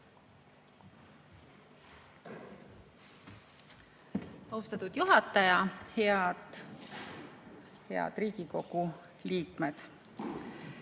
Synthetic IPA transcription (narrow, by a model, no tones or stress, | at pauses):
ɑwst̪ɑt̪ud̪̥juɦɑt̪ːˑɑjɑheɑd̪ | heɑ̰d̪̥riːɡ̥iko̞ɡ̥u | liːkme̞d̪̥